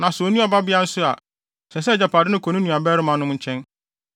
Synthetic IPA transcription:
nã˨so˨˦nũ˦ɔ˨ba˦bɪ˦a˦n̩˦sʊ˦a˨ | sɛ˨s̬ɛ˦˨d͡ʑɛ˨pʰaː˨dɪ˦nʊ̃˦kʰo˨nʊ̃˦nũ˨a˨bɛː˦ɾɪ˦mã˨˦nʊ̃˦m˦ɲ̩˦t͡ɕʰɛ̃˦n

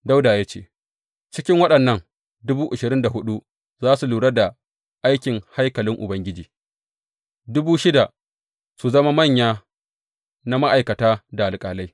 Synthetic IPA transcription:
da˦wdaː˨jaː˦t͡ʃḛ˦˨ | t͡ʃɪ˦kʲɪ˦ŋwɐ˦ɗɐ˨nːɐ˦ŋ | dʊ˦buː˦ʔʊ˨ʃɪ˨ɾɪ˦nda˨ɦʊ˦ɗu˦ | zaː˦su˨luː˨ɽa˦da˨ | ʔa˦jkʲɪ˨ŋha˦jkɐ˨lɪ˦ŋʔʊ̰˨bɐ˦ŋɡʲɪ˦d͡ʒiː˨ | dʊ˦buː˦ʃɪ˦da˨ | su˨zɐ˦ma˦mɐ˦˨ɲjaː˦ | na˦ma˦ʔa˨jkɐ˨taː˦da˨a˨lkʼaː˨la˦j

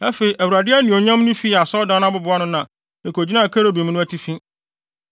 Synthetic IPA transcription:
æ˦fe˨i˨ʔæ˨wu˨ɾa˨dɪ˦æ˦nĩ˨o˨ɲã˦mnʊ̃˦fi˦˨a˨sɔ˦dã˦nã˦bʊ˦bʊ˨˦a˦nʊ̃˦nã˨ | nɪ̃˨kʰo˨d͡ʑi˦nã˦˨kʰæ˦ɾo˦bĩ˨m˦nʊ̃˦æ˦tʰi˦fĩ˦

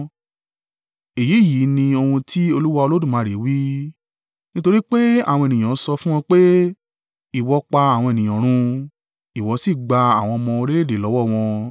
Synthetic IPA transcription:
e˨ji˨˦˨ji˨˦nĩ˧o˧hũ˧tʰi˦o˧lu˦wa˧o˧lo˦dũ˦˨mãː˨˧˨ɾe˨˦wi˦ | nĩ˦to˧ɾi˦k͡pe˦a̰˦˨wɔ̃˧e˨nĩ˨j̃ã˨˦sɔ˧fũ˦w̃ɔ̃˧k͡pe˦ | i˨wɔ˨˦k͡pa˧a˨w̃ɔ̃˧e˨nĩ˨ɔ̃˨ɾ̃ũ˧ | i˨wɔ˨˧˦si˦˨ɡ͡ba˧a˨w̃ɔ̃˧mɔ̃˧o˧ɾe˦le˦˨de˨lɔ˨˦wɔ˦˨w̃ɔ̃˧

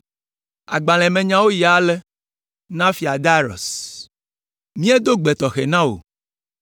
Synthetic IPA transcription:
a˨ɡ͡bã˨l̃ɛ̃˨mẽ˨ɲã˦wo˦ji˨a˨le˦ | nã˦fi˨a˨d̪a˦ɾɔ̰˨s | mĩ˦e˦d̪o˦ɡ͡be˨t̪ɔ˨xḛ˨nã˦wo̰˨

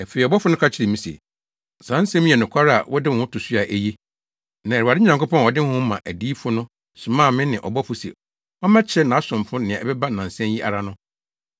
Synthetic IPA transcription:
ɛ˨fe˨i˨ɔ˨bɔ˦fʊ˦nʊ̃˦kʰa˦t͡ɕʰɪ˦ɾɪ˨mĩ˦sɛ̰˨ | sã˨˦n̩˦sɛ̃˦mĩ˦ɛ˨nʊ̃˨kʰʷa˦ɾa̰˨wɔ˦dɪ̃˦˨hʊ̃˦tʰʊ˨su˦a˨ʔæ˨je˦ | nã˨ɛ˨a˨dɪ˦ɲã˨ŋkʊ˦pɔ̃˦nɔ˨dɪ˦hʊ̃˦mːã˨ʔæ˨diː˦fʊ˦nʊ̃˦ | sʊ˨mãː˦˨mɪ̃˦nɪ̃˨ʔɔ̰˨bɔ˦fʊ˨˦sɛ̰˨ | ɔ˦mã˦t͡ɕʰɛ˦nã˨˦sʊ̃˨mfʊ̃˦nɪ̃˨ã˨ɛ˨bɛ˦ba˦nã˨n̩˨sɛ̃˦nji˦ʔa̰˨ɾa˦nʊ̃˦

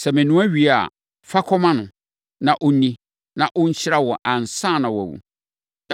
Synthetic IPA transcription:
sɛ˨mɪ̃˨nũ˦a˦ɥi˨a̰˨ | fa˦kʰɔ˦mã˦nʊ̃˨ | nã˨ʔʊ˦nĩ˦ | nã˨ʔʊ˦ɲ̩˦ɕʰɪ˦ɾa˦wɔ˨ʔã˨n˨sã˦˨nã˨wa˨wṵ˨

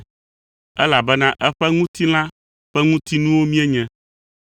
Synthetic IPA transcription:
ɛ˦la˨bɛ˦nã˦ʔɛ˦ɸɛ˦ŋũ˦t̪i˦l̃ã˦ | ɸɛ˦ŋũ˦t̪i˦nũ˦wo˦mĩ˦ɛ˦ɲɛ̃˦

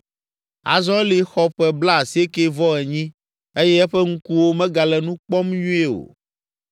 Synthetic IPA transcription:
a̰˨zɔ̃˦li˨xɔ˦ɸɛ˨bla˦˨si˨˦e˦ke˦vɔ˦ɛ˨ɲĩ˦ | e˦jɛ˦ɛ˦ɸɛ˦ŋ̩˦ku˦wo˦mɛ̃˦ɡa˨lɛ˨nũ˦k͡pɔ˦mɲũ˦ɛ˦o̰˨

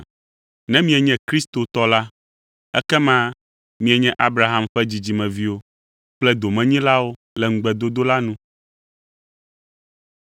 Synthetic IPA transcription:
nɛ̃˦mĩ˦ɛ˨ɲɛ̃˦kɾi˦st̪o˨t̪ɔ˦la˦ | ɛ̰˦kɛ˦mã˦ | mĩ˦ɛ˨ɲɛ̃˦ʔa˦bɾa˨ɦa˨mɸɛ˦d͡ʑi˨d͡ʑi˨mɛ̃˨vi˦wo˦ | k͡plɛ˦d̪o˨mɛ̃˨ɲĩ˦la˦wo˦ | lɛ˨ŋ̩˦ɡ͡bɛ˨d̪o˦d̪o˦la˦nũ˦

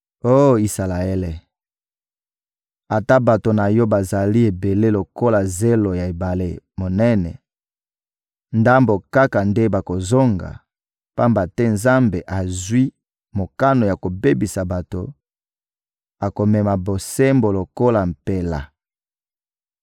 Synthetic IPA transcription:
o˦˨i˨sa˨la˨e˦le˨ | a˨ta˦ba˨to˨na˨jɔ˦ba˨za˨li˦e˨be˨le˦lo˨ko˦la˨ze˦lo˨ja˨e˨ba˨lḛ˦mo˨nɛ˦nɛ̰˨ | nda˦mbo˨ka˦ka˨nde˦ba˨ko˨zo˦ŋɡa̰˨ | pa˦mba˨tɛ˦nza˦mbe˨ʔa˨zwi˦ | mo˨ka˦no˨ja˨ko˨be˦bi˨sa˨ba˨to˨ | a˨ko˨mɛ˨ma˨bo˨se˦mbo˨lo˨ko˦la˨m̩˨pe˨la̰˨

